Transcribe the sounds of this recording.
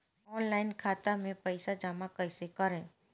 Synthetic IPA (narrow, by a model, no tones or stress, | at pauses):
ɔːnlaːɪnkʰaːt̪amẽpəɪsad͡ʒaːmakəɪsekɐɾẽː